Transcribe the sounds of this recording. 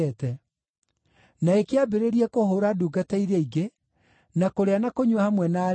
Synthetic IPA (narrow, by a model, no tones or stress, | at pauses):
ɛtɛ | naekeabeɾeɾiɛkoɦoːɾaduːɡataiɾeiɡe | nakoɾeanakoɲwahamwɛna